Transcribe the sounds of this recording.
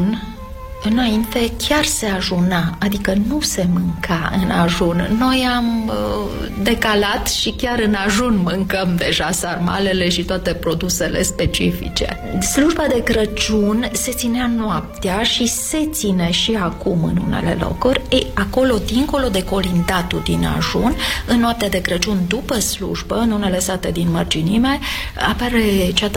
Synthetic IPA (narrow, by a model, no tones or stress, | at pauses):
n | ɨnaint̪e̞kʲarse̞aʒunaad̪ikənuse̞mɨŋkaɨ̰na̰ʒunːo̞jam | d̪e̞kalat̪ʃikʲaɾɨnaʒunmɨŋkəmd̪e̞ʒasarma̰le̞le̞ʃit̪oat̪e̞pɾo̞d̪use̞le̞̰spe̞t͡ʃifḭt͡ʃe̞̰ | sluʒbad̪e̞kɾət͡ʃunse̞t̪sineanoap̚t̪eaʃise̞t̪sine̞ʃiakumɨ̰nṵne̞̰le̞̰lo̞̰kurʲejako̞lo̞d̪iŋko̞lo̞d̪e̞ko̞lind̪at̪ud̪ina̰ʒunɨnːoap̚t̪ead̪e̞kɾət͡ʃund̪upəslṵʒbəɨnune̞le̞sat̪e̞d̪inmərd͡ʒinime̞ | a̰paɾe̞t͡ʃat̪